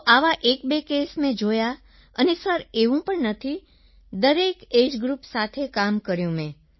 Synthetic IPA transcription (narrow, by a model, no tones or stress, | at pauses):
ʔaʋaʔek̚bekesmẽd͡ʒoja | ənesəɾeʋũpəɳnət̪ʰi | d̪əɾeked͡ʒɡɾupsat̪ʰekamkəɾjũmẽ